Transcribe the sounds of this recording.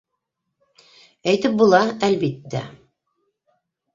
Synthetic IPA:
æjt̪ɘp̚bulˠɑælβit̪ːæ̰

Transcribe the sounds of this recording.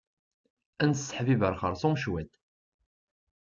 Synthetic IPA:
ænsħvivəɾˤχəɾˤsˤumʃwæd̪

